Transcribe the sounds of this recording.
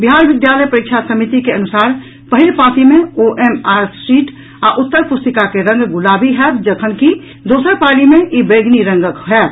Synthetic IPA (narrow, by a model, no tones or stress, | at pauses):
biɦaɾbɪd̪jaləjpəɾik̚t͡ʃʰasəmit̪ikeənusaːɾ | pəɦilpat̪imẽoʔemaɾsʈiʈ | aʔut̪ːəɾpust̪əkakeɾə̃ŋɡɡulabiɦɛt̪̚d͡ʒəkʰənki | d̪oːsəɾpalimeʔibeɡniɾəŋɡəkɦɛːt̪̚